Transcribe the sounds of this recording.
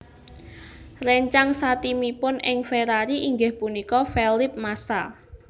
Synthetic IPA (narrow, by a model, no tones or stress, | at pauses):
rɛɲt͡ʃaŋsat̪imipʊnɪŋfeɾaɾiʔiŋɡɪhpunikɔfɛlɪp̚masa